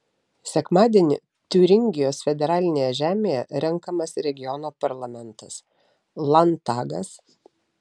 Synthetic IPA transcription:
sʲɛkmɑːd̪ʲienʲɪ | t̪ʲʊɾʲɪŋʲɡʲɪjoːsfʲɛd̪ʲɛɾɑːlʲɪnʲeːjɛʒʲæːmʲeːjɛɾʲɛŋˑkɐmɐsɾʲɛɡʲɪjɔnoːpɐɾlˠɐmʲɛnt̪ɐs | lˠɐnt̪ɑːɡɐs

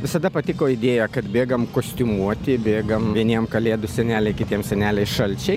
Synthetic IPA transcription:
ʋʲɪsɐd̪ɐpɐt̪ʲɪkoːɪd̪ʲeːjɛkɐt̪bʲeːɡɐmkoːsʲt̪ʲʊmuɔt̪ʲɪbʲeːɡɐmʋʲiɛnʲiɛmkɐlʲeːd̪ʊsʲɛnʲæːlʲɛɪkʲɪt̪ʲiɛmsʲɛnʲæːlʲɛɪʃɐlʲt͡ʃʲɛɪ

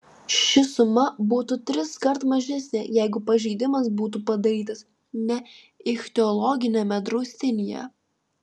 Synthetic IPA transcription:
ʃʲɪsʊmɐbuːt̪ut̪ʲɾʲɪskɐɾt̪mɐʒʲɛsʲnʲejɛɪɡʊpɐʒʲɛɪd̪ʲɪmɐsbuːt̪̬upɐd̪ɐɾʲiːt̪ɐs | nʲɛ | ɪxʲt̪ʲɛɔlˠɔɡʲɪnʲɛmʲɛd̪ɾoːsʲt̪ʲɪnʲɪjɛ̰

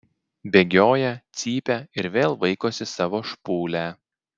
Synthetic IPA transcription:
bʲeːɡʲoːjɛt̪sʲiːpʲɛɪɾʋʲeːlˠʋɐɪkoːsʲɪsɑːʋoːʃpuːlʲæ

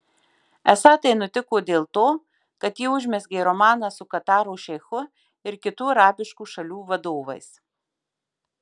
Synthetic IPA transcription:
ɛsɑːt̪ɐɪnʊt̪ʲɪkoːd̪ʲeːlˠt̪oː | kɐt̪jiːʊʒʲmʲɛsɡʲɛɪɾɔmɑːnɑsʊkɐt̪ɑːɾoːʃʲɛɪxʊ | ɪɾkʲɪt̪uːɐɾɑːbʲɪʃkuːʃɐlʲuːʋɐd̪oːʋɐ̰ɪs

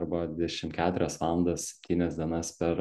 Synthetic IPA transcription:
ɾbɐdʲd̪ʲɛʃʲɪmkʲæːt̪ʊɾʲɛsʋɑːlˠɐnd̪ɐssʲɛ̥pʲt̪ʲiːnʲɛsd̪ʲiɛnɐspʲɛɾ

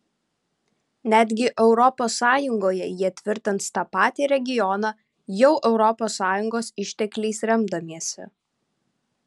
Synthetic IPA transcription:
nʲæd̪ʲɡʲɪʔɛʊɾɔpoːsːɑːjʊŋɡoːjɛjiɛt̪ʲʋʲɪɾʲt̪ʲɐnt̪st̪ɐpɑːt̪ʲiːɾʲɛɡʲɪjɔnɑː | jɛʊʔɛʊɾɔposːɑːjʊŋɡoːsɪʃʲt̪ʲɛklʲɛɪsɾʲɛmd̪ɐmʲiɛsʲɛ̰

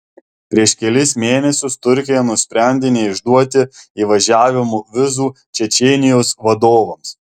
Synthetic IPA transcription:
pʲɾʲiɛʃkʲɛlʲɪsmʲeːnʲɛsʲʊst̪ʊɾʲkʲɪjɛnʊsʲpʲɾʲɛˑnʲd̪ʲɪnʲɛɪʒd̪uɔt̪ʲɪiːʋɐʒʲæːʋʲɪmuʋʲɪzuː | t͡ʃʲɛt͡ʃʲɛːnʲɪjoːsʋɐd̪oːʋɐms

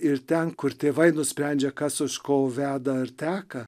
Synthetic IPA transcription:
ɪɾt̪ʲɛnkʊɾt̪ʲeːʋɐɪnʊsʲpʲɾʲɛnʲd͡ʒʲɛkɐsʊʃkoːʋʲæːd̪ɐɪɾt̪ʲæːkɐ

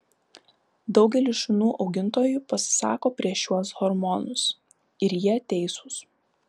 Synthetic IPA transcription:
d̪ɒʊɡʲɛlʲɪʃɪnuːʔɒʊɡʲɪnt̪oːjupɐsʲɪ̥sɑ̰ːkoːpʲɾʲiɛʃjuɔsɣɔɾmɔnʊs | ɪɾjiɛt̪ʲɛɪsʊs

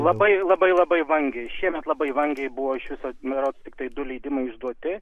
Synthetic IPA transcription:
lˠɐbɐɪlˠɐbɐɪlˠɐbɐɪʋɐŋʲɡʲɛɪʃʲiɛmʲɛt̪lˠɐbɐɪʋɐŋʲɡʲɛɪbʊʋoːɪʃʋʲɪsoːmʲɛɾoːt̪st̪ʲɪk̚t̪ɐɪd̪ʊlʲɛɪd̪ʲɪmɐɪɪʒd̪uɔt̪ʲɪ

